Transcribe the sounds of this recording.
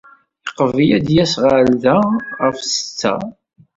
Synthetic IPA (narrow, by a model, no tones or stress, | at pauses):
iqːəvijæd̪jæsʁəɾðæʁəfsə̥t͡sːæ̰